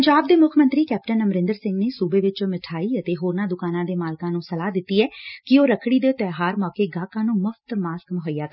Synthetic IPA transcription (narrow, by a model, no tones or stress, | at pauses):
pɲd͡ʒaːb̚d̪eːmʊkʰmənt̪ɾiːkɛːp̚ʈənəmɾɪ̃nd̪əɾsɪ̃ŋɡneːsuːbeːʋɪt͡ʃõmɪʈʰaːiːət̪eːɦoːɾnãːd̪ʊkaːnãːd̪eːmaːlkãːnũːsəlaːd̪ɪt̪ːiːɛːkɪoːɾəkʰɽiːd̪eːt̪ɛːɦaːɾmɔːkeːɡaːkãːnũːmʊfʰt̪maːskmʊɦəijaːkə